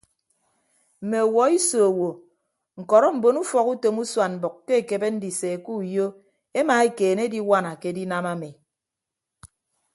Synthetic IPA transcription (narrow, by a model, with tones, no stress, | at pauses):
m̩˨me˨o˨wɔ˨i˦so˨wo˨ | ŋ̩˨kɔ˨ɾɔ˦m̩˨bo˨nu˦fɔ˨ku˦to˨mu˦swa˨m̩˨bɔ˨kːe˦e˨ke˨be˦n̩˦di˨se˨ku˦jo˦ | e˦ma˨e˦keː˨ne˦di˦wa˦na˨ke˦di˦na˦ma˦me˨